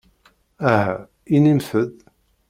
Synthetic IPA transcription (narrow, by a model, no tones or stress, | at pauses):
æhæ | inimθəð